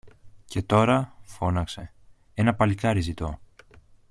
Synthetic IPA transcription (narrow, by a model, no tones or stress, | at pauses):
cʰe̞t̪o̞ɾɐfo̞nɐkse̞ | e̞nɐpɐlikɐɾizit̪o̞